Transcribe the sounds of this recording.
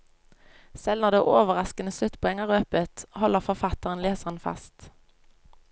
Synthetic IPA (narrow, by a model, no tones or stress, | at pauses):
sɛlnɔʁd̪eːʔoːʋəʁɑskənəslʉt̪pʰɛŋəʁøːpət̪hɔləʁfɔʁfɑt̪əʁənleːsəʁənfɑ̰st̪